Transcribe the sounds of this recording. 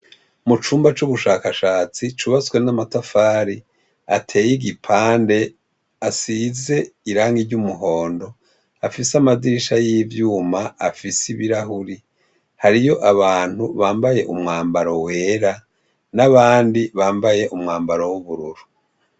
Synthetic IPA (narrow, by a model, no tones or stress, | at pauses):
mut͡ʃuːmbat͡ʃuβuʃaːkaʃaːt͡sit͡ʃuβat͡swe̞namatafaːɾi | atʰe̞ːjiɡipʰaːnde̞ | asize̞iɾaːŋɡiɾɟumuɦo̞ːndo̞ | afisamadiʃajivjuːmaafisiβiɾaɦuɾi | haɾijo̞ʔaβaːn̥huβaːmbaje̞ʔumŋaːmbaɾowe̞ːɾa | naβaːndiβaːmbaje̞ʔumŋaːmbaɾowuβuɾuɾu